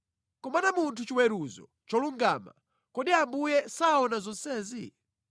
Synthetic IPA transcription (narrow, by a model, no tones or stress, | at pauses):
kɔmanamuntʰut͡ʃiwɛɾuzɔ̰ | t͡ʃɔluŋɡaːma̰ | kɔɗiambujɛsaɔnazɔnsɛːzi